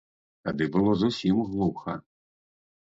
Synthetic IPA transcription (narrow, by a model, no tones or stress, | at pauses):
t̪ad̪ɨbɨlˠɔzusʲimɣlˠuxɐ